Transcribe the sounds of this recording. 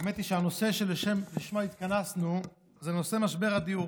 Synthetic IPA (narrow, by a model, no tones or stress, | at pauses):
met̪iʃeano̞se̞ʃeleʃemliʃmait̪kanasnu | zeno̞se̞maʃbeʁad̪iu